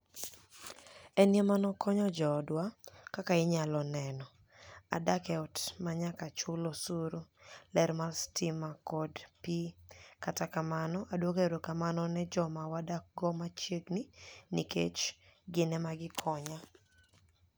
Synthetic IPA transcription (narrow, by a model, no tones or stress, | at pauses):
ɛnjemanɔkʰɔɲɔd͡ʒɔdwakakaɪɲalɔnɛnɔ | a̰dakɛɔtmaɲakat͡ʃʊlɔsuɾulɛɾmarstɪmakɔdpikatakamanɔʔadwokeɾokamanɔnɛd͡ʒɔmawadak̚ɡɔmat͡ʃekninikḛt͡ʃɡɪnɛmaɡɪkʰɔɲa